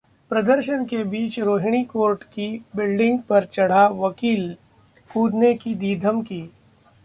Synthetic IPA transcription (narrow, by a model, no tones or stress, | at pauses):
pɾɐd̪əɾʃənkebiːt͡ʃɾoːɦɪɽ̃ikoːɾʈkibɪlɖɪ̃ŋɡpɐɾt͡ʃɐɽ̤aʋɐkiːl | kuːd̪nekid̪iːd̪ʱəmkiː